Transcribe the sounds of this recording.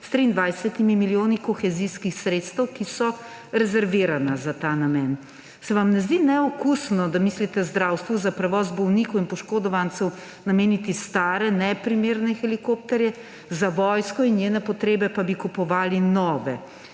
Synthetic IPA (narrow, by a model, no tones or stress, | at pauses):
st̪ɾiːnd̪ʋajsɛt̪imimiljoːnikɔxɛziskixsɾeːt̪st̪ɛwkisɔ | ɾɛzɛɾʋiːɾanazat̪aːnamɛːn | sɛʋamnɛzd̪inɛɔkusnɔd̪amiːslit̪ɛzd̪ɾawst̪ʋuzapɾɛʋɔːzbɔwniːkɔwinpɔʃkoːd̪ɔʋant̪sɛw | nameːnit̪ist̪aːɾɛnɛpɾimeːɾnɛxɛlikoːp̚t̪ɛɾjɛ | zaʋɔjskɔinjeːnɛpɔt̪ɾeːbɛpabikupɔʋaːlinɔːʋɛ